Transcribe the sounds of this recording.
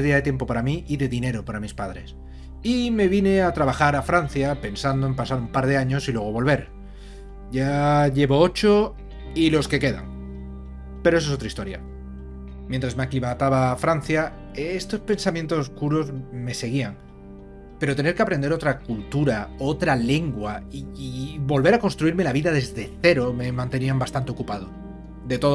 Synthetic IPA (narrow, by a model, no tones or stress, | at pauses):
ðiaðe̞t̪jemp̬o̞paɾamiiðe̞ðine̞ɾo̞paɾamispað̞ɾe̞s | ime̞βine̞at̪ɾaβaxaɾafɾan̟θjape̞nsand̪oe̞mpasaɾumpaɾð̞e̞aɲo̞silwe̞ɣ̞o̞βo̞lβe̞ɾ | ʝaʎe̞βo̞o̞t͡ʃo̞ | ilo̞ske̞ke̞ða̰ŋ | peɾoes̬os̬ot̪ɾaist̪oɾja̰ | mjẽnt̪ɾazmakiβat̪aβafɾanθja | est̪o̞spe̞nsamjẽ̞nt̪o̞soskuɾo̞zme̞se̞ɣ̞iaŋ | pe̞ɾo̞t̪e̞ne̞ɾkeapɾe̞nd̪eɾo̞t̪ɾakult̪uɾaot̪ɾale̞ŋɡwaiβo̞lβe̞ɾako̞nst̪ɾuiɾme̞laβiðaðe̞zðe̞θe̞ɾo̞me̞mãnt̪e̞niambast̪ant̪eo̞kupað̞o | ðe̞t̪o̞